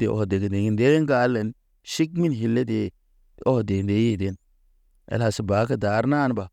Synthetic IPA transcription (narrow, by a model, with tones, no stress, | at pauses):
dḛ˨o̰˨hde˨ɡe˨de˨ŋi˦nde˦ŋɡa˨˦lːe˨n | ʃi˦kmi˦nɦi˨lːe˦de˨˦ | o˦hde˨nde˦ji˦˨de˨˦n | ḛ˨lha˨si˨baː˨˦ka˦da˨˦ɾnaː˦˨nba˨